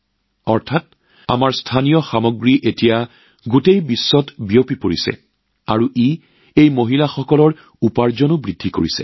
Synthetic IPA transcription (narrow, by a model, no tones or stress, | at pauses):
ɔɹtʰat̚ | a̰maɹstʰanijɔxamoɡɹiʔetija | ɡutejbisːɔtbijopipoɹisɛ̰ | aɹuʔi | ejmoɦilaxɔkɔlɔɹ | upaɹzɔnubɹidʱːiko̰ɹisɛ̰